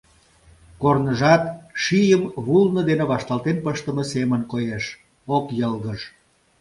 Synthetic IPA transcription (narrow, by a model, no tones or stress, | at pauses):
kornəʒɑt̪ʃijəmβulnəd̪eneβɑʃt̪ɑlˠt̪enpəʃt̪əməsemənkojeʃ | okjəlɣəʃ